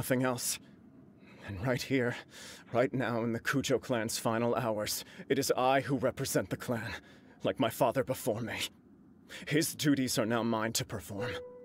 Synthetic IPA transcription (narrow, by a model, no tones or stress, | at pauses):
ʌθɪ̃ŋɛlˠs | ɨ̃nɹaɪt̚hiɹɹaɪtⁿnaʊə̃nðɨkʰʉd͡ʒoʊkʰl̥æ̃nz̥fãɪ̃ñl̩ˠaʊə˞z̥ɨɾɨzaɪɦuɹɛpɹɨzɛ̃nðɨkʰl̥æ̃n | laɪk̚maɪfɑðə˞bəfɔɹmi | ɪzdʉɾizə˞naʊmãɪ̃ntʰɨpʰə˞fɔɹm